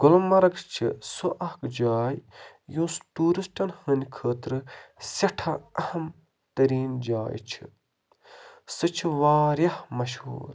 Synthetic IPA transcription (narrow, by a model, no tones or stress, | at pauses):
ɡ̥ʊlmɐɾɐɡt͡ʃʰḭsuʔɐhkd͡ʒaːj | jũːsʈuːɾisʈɐnhənʲkʰəːt̪ɾɨsɐʈʰɐɐhɐm | t̪ɐɾiːnd͡ʒaːjt͡ʃʰi̥̰ | sɨt͡ʃʰiʋaːɾjɐhmɐʃhṵːɾ